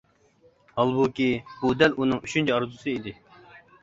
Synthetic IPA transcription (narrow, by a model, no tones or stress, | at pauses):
ɑlˠbukʲibud̪ɛlunɨŋyt͡ʃʰynt͡ʃʰiɑɾzusɨid̪ɪ